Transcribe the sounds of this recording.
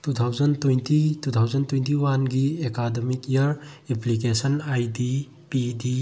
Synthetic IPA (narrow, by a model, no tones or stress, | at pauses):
tutʰawd͡ʒɐntwujntitut̪ʰawzɐntwej̃ntiwanɡiekademikjɐɾepʰlikesɐnajdi | pidi